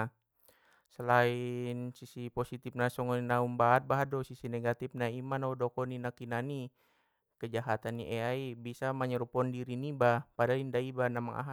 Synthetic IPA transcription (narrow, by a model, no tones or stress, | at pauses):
səlainsisipɔsit̪ipnasɔŋɔninaumbaːt̪̚baɦadɔsisineɡat̪ifnaimanaudɔkɔninakinani | kəd͡ʒaɦat̪anḭʔɛaibisamaɲəɾupɔndiɾinibahpadalindaibanamaŋʔa̰ɦa